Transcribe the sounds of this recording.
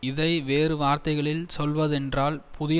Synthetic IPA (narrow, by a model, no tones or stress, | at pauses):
ɪðɐɪʋeːrɯʋaːɾt̪ɐɪɣɐɭɪlsɔlʋɐðɛndraːlpʰʊðɪ